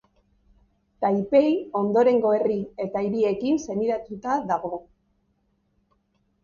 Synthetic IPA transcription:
t̪ajpe̞jo̞nd̪o̞ɾe̞ŋɡo̞e̞rie̞t̪aiɾie̞kinse̞niɾat̪ut̪aðaɣo

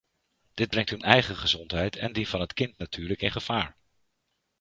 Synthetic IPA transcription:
d̥ɪd̚brɛŋtɦɵnɛjχəχəzɔntɦɛjtʰɛ̰ndivɑnɦətkɪntnatʰyːɹləkɪnχəv̥aːɹ

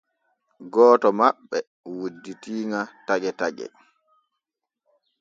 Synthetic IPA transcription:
ɡɔːtɔmaɓːɛ | wudːitiːŋataɡɛtaɡɛ̰

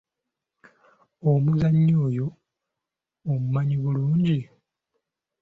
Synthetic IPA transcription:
omuzaɲːo̞ːjo̞ | mumaɲiβuluːɲɟi

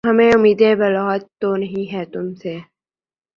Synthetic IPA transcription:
ɦɐmẽʊmiːd̪ebɐlaːt̪ːonɐɦĩɦɛːt̪ʊmseː

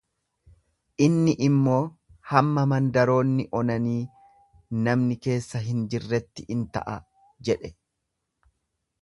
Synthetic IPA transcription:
ʔɪnːɪʔɪmːo̞ːhɐmːɐmɐnd̪ɐɾo̞ːnːɪʔɔnɐniː | nɐmnɪke̞ːsːɐɦɪnd͡ʒɪrːɛt̪ːɪʔɪnt̪ɐ̰ʔɐ | d͡ʒɛᶑɛ

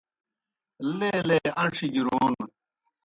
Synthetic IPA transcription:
leːleːɐʂid͡ʑiɾoːn

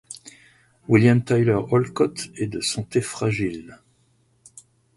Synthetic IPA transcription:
wiljamt̪ajlœʁɔlkɔt̪ɛd̪əsɑ̃t̪efχaʒil

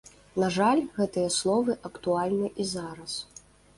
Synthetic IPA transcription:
naʐalʲɣɛt̪ɨjɐslˠɔvɨʔɐkt̪ualʲnɨʔizaɾɐs

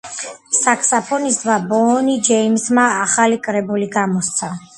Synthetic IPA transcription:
sakʰsapʰɔnisd̪vabɔːnid͡ʒɛimsmaːχalikʼɾɛbuliɡamɔst̪sʰa

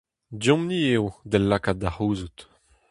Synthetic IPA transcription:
djɔ̃mniewd̪ɛlːakat̚d̪ahuːzut̪

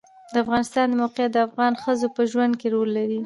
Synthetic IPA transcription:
d̪əafɣɑnɪst̪ɑnd̪əmawqjat̪̚d̪əafɣɑnxəzopəʒwand̪̚keɾolːaɾi

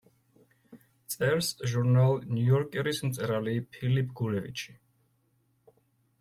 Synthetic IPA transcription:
t̪sʼɛɾsʒuɾnalˠnjujɔɾkʼɛɾismt̪sʼɛɾalipʰilipʰʼɡulɛvḭt͡ʃʰi̥

